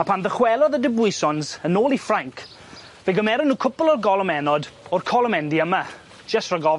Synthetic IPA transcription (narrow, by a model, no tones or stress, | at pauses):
apʰanðəχwɛlˠɔðədɪbʊɨsɔnzənoːlˠifraŋkʰ | veɡəmɛɾʊnːuːkʰʊpʊlˠɔrɡɔlˠɔmɛnɔdɔrkʰɔlˠɔmɛndiəma | d͡ʒəsrɔɡɔ